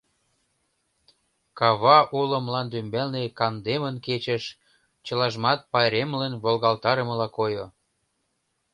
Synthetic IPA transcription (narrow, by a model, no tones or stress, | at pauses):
kɑβɑʔulə̆mlɑnd̪ymbælnekɑnd̪emənket͡ɕə̆ʃ | t͡ɕəlɑʒmɑt̪̚pɑjɾemlənβolɣɑlt̪ɑɾəməlɑkojo